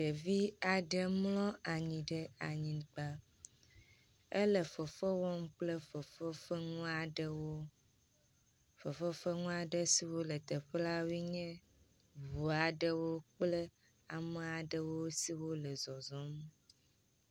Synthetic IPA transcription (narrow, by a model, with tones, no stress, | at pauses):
ɖe˨vi˦a˨ɖə˦mlɔ̃˦a˨ɲĩ˨ɖe˦a˨ɲĩ˨k͡pa˦ | e˦lə˨fo˨fə˦wɔ˦m˦k͡ple˦fffə˦ŋũ˦a˨ɖwo˦ | fo˨fə˦fə˦ŋũ˦a˨ɖə˦si˨wo˦lə˨t̪ə˨ɸe˦la˦wi˦ɲɛ̃˦ | vu˨a˨ɖə˦wo˦k͡ple˦ | a˨me˦a˨ɖə˦wo˦si˨wo˦lə˨zɔ˨zɔ˦m˦